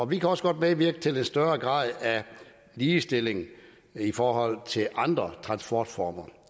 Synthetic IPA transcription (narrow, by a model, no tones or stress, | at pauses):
ɒ̽ʋikʰæɒ̽sə̥ɡ̥ɒ̽d̥meʋiɐɡ̥ət͡sʰe̝l̥ensd̥ɶːɐɡ̥ʁɑ̰̈ːð̰ˠæ | liːsd̥e̝le̝ŋ̩ | ifɒːhɒ̽l̰t͡sʰe̝lʔɑ̈nd̥ʁɐt͡sʰʁɑ̈nsb̥ɒːd̥fɒːmɐ